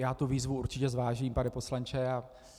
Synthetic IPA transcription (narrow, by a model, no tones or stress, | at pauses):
jaːt̪uviːzvuuɾt͡ʃɪcɛzvaːʒiːmpanɛpo̞slant͡ʃɛa